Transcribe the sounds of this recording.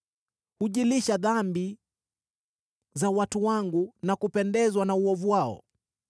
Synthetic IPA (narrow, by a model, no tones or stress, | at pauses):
huʄiliʃaðambi | zawatuwaŋɡunakupɛndɛzwanauɔvuwaɔ̰